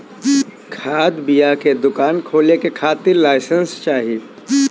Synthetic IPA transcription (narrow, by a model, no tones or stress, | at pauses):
kʰaːd̪bijaked̪ʊkaːnkʰoːlekekʰaːt̪ɪɾlaːɪsə̃nst͡ʃaːɦie